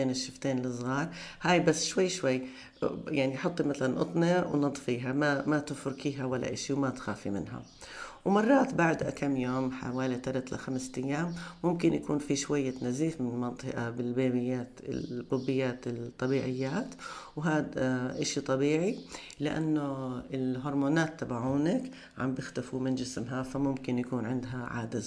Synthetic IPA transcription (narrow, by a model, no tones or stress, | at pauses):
eːnɪʃːɪft̪eːnlɪsˤɣɑːɾˤhaːjbasːʃwajːʃwajː | jaʕniʔħʊt̪ˤːimat̪alanʔʊ̰t̪ˤniɾwnɨd̪ˤfiːɦamamat̪ɪfʊɾkiːɦawalːa̰ʔɪʃiwmat̪xaːfḭmɪ̰nɦa̰ | wmɑrˤːɑːt̪baʕd̪ʔa̰kamːjoːmħa̰waːlit̪aɾat̪la̰xamst̪ajːaːmːʊmkɪnjakuːnfiʃwajːanaziːfmɪnɪlmɑnt̪ˤɨʔabɪlbeːbɪjːaːt̪ɪ̰b̪ˤʊbːɪjːaːt̪ɪt̪ˤːɑbiːʕɪjːaːt̪ | wɦaːd̪ʔaʃit̪ˤɑbiːʕi | lɪʔa̰nːʊɪlɦʊɾˤmoːnaːt̪ːabaʕuːnak | ʕa̰mbɪxt̪afumɪnd͡ʒɪsmɦafamʊmkɪnjakuːnʕɪnd̪ɦaʕa̰ːd̪ɪz